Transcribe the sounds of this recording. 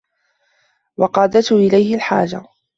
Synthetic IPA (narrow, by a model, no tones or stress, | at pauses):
wɑqɑːd̪at̪hʔɪlajhɪlħa̰ːd͡ʒa